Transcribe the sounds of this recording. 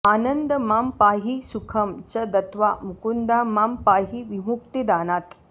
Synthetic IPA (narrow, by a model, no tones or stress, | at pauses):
aːnɐnd̪əmaːmpaːɦisukʰɐmt͡ʃɐd̪ɐt̪ʋaːmukund̪aːmaːmpaːɦiʋimuk̚t̪id̪aːnaːt̪